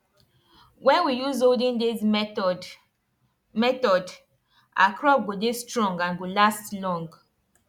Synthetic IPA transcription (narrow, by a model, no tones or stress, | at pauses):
wɛ̃nwijuzoldĩndis | mɛtɔd | ʔa̰kʰɹɔp̚ɡodestɹɔ̃ŋɡãnɡolastlɔ̃ŋɡ